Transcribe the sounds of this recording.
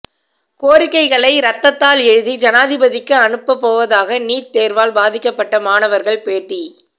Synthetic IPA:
koːɾɪkːɐɪɣɐɭɐɪɾɐt̪ːɐt̪ːaːlɛɻɯðid͡ʒɐnaːðɪbɐðɪkːɯɐnɯpːɐpːoːʋɐðaːɣɐniːɾt̪eːɾʋaːlbaːðɪkːɐpːɐʈːɐmaːnɐʋɐɾɣɐɭpeːʈːi

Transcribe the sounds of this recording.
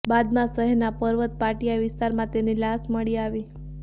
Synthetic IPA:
bad̪mãsəɦɛɾnapəɾʋət̪̚paʈijaʋɪst̪aɾmãt̪enilasməɭiaʋi

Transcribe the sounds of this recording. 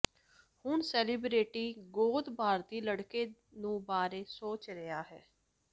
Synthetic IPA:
hʊɳsɛːliːbɾeːʈiːɡoːd̪bʱaːɾt̪iːləɽkeː | nũːbaːɾeːsoːt͡ʃɾəjaːɦɛː

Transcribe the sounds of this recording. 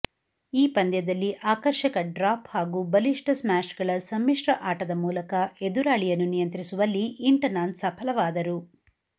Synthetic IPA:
iːpɐnd̪jɐd̪ɐlːiʔaːkɐɾʃɐkɐɖɾaːphaːɡuːbɐliʂʈɐsmaːʃɡɐɭɐsɐmːiʂɾɐʔaːʈɐd̪ɐmuːlɐkɐed̪uɾaːɭijɐnːunijɐnt̪ɾisuʋɐlːiʔːɳʈɐnaːnsɐpʰɐlɐʋaːd̪ɐɾu

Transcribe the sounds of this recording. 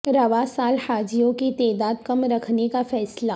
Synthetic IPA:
ɾɐʋasaːlhaːd͡ʒijõkit̪ɛːd̪aːd̪̚kɐmɾɐkʰnekafɛːsla

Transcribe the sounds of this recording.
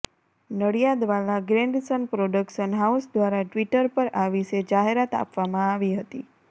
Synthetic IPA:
nəɽijad̪ʋalaɡɾeɳɖsənpɾoɖəkʃənɦausd̪ʋaɾaʈʋiʈəɾpəɾaʋiʃed͡ʒaɦeɾat̪a̰pʋamãaʋiɦət̪i

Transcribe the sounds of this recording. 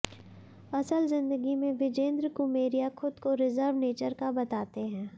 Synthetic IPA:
ɐsəlzɪ̃nd̪əɡimẽʋɪd͡ʒẽːnd̪ɾkʊmeːɾijaxʰʊd̪koɾɪzəɾʋneːt͡ʃəɾkabɐt̪aːt̪eɦɛ̃ː

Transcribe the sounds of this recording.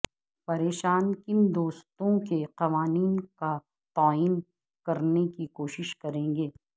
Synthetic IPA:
pɐɾeːʃaːnkɪnd̪oːst̪õkeqɐʋaːniːnka | t̪aːiːn | kɐɾnekikoːʃɪʃkɐɾẽːŋɡeː

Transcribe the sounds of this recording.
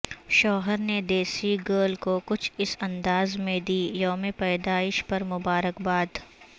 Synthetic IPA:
ʃɔːɦəɾned̪eːsiɡəːlkokʊt͡ʃʰɪsɐ̃nd̪aːzmẽd̪iːjɔːmẽpɛːd̪aːɪʃpɐɾmʊbaːɾəkbaːd̪

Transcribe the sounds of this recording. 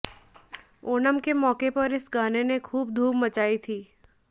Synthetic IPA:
oːnəmkemɔːkepɐɾɪsɡaːnenekʰuːb̚d̪ʱuːmmət͡ʃaːit̪ʰiː

